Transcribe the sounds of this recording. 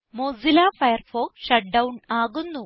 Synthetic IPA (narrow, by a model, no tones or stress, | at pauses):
moːzilaːfɐjɐrfoːkɕɐʈ̚ɖɐwɳaːɣunːu